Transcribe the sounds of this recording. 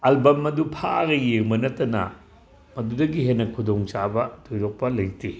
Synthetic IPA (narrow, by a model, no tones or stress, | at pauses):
albɐmːɐdupʰaɾɐɡiemɐnɐtːɐnɐ̰ | mɐdudɐɡiɦenːɐkʰudoŋt͡ʃabɐdojɾok̚pɐlɐjti